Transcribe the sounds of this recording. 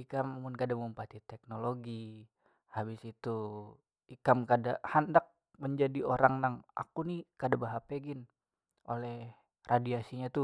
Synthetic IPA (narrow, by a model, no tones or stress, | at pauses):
ikammʊnkadamumpat̪it̪ɛk̚noloɡi | habɪsit̪u | ikamkadahandak̚ | məɲd͡ʒadioɾaŋnaŋa̰kunikadabaɦapɛɡɪn | olɛh | rʔadiasiɲat̪u